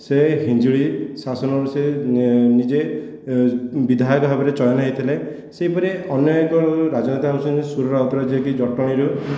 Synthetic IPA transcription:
seɦind͡ʒuɭisasɔnɔɾusenid͡ʒe | bid̪ʱajɔkbʱabɔɾet͡ʃɔjɔnaɦet̪ʰilaj | sejpɔɾeɔnjɔkɔɾad͡ʒɔnet̪aamusɔnsuɾɔɾaut̪ɔɾad͡ʒiɔkid͡ʒɔʈɔɽ̃iɾu

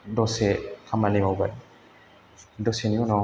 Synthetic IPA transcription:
dɔsekʰamanimawbaj | dɔseniɔnɔ

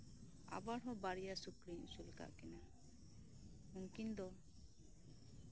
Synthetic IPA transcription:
a̰baɽɦɔbaɾijasukɾiɲusulka̰ʔkɛna | uŋkind̪ɔ

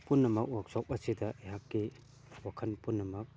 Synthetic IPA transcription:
punːɐmɐk̚wak̚sɔp̚ɐsidɐʔeɦakːi | wakʰɐnpunːɐmɐk̚

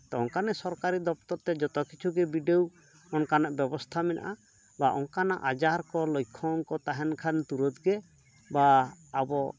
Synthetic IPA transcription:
t̪ɔɔŋkanɛsɔɾkaɾid̪ɔp̚t̪ɔɾt̪ɛd͡ʒɔt̪ɔkit͡ʃʰuɡɛbiɖew | ɔnkanaʔbɛbɔst̪ʰamɛnʔa̰ʔa | baʔɔŋkana̰ʔad͡ʒaɾkɔlɔjkʰːɔŋkɔt̪aɦɛnkʰant̪uɾɔt̪ɡɛ | baːbɔ

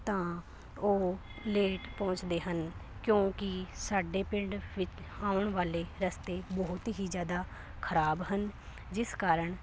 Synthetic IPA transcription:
t̪ãː | oː | leːʈpɔ̃ːt͡ʃd̪eːɦənkjõːkɪsaːɖeːpɪ̃ɳɖʋɪt͡ʃ | ãːʊɳʋaːleːɾəst̪eːbɔɦʊt̪ɦiːzjaːd̪aː | kʰəɾaːbɦən | d͡ʒɪskaːɾəɳ

